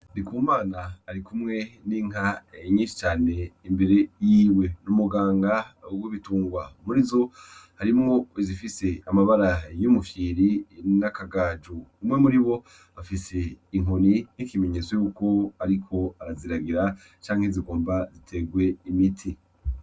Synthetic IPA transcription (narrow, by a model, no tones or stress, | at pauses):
dikumaːnaːɾikumŋe̞niŋ̥aɲiːnʃi̥t͡ʃaːne̞imbe̞ɾe̞jiːwe̞numuɡaːŋɡawiβituːŋɡwamuɾizo̞haɾimŋo̞izifise̞amaβaɾajumufiːɾinakaɡaːd͡ʒuumŋe̞muɾiβo̞ | afise̞iŋoninikime̞ɲe̞zwejuːko̞aɾikʰo̞aɾaziɾaɡiɾa | t͡ʃaːŋ̥heziɡo̞ːmbazitʰe̞ɡwe̞imitʰi